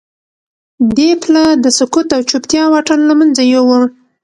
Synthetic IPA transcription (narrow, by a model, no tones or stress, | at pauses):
d̪eplad̪əsʊkut̪awt͡ʃupt̪jɑwɑʈənlamanzajowə